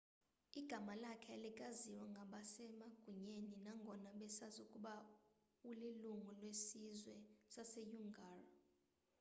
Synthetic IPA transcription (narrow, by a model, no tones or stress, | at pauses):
iɡ̥ʱamalakʰɛlikʼaziwaŋɡʱaɓasɛmaɡ̥ʱuɲeninaŋɡʱɔnaɓɛsazukʼuɓa | uliluŋulwesizwɛsasejuŋɡʱaːra